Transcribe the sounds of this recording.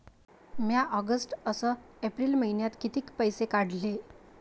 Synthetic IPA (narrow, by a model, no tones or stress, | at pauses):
mjaʔɔɡəsʈəsəepɾiːlməɦinjat̪kit̪iːkpəjsekaɽ̤le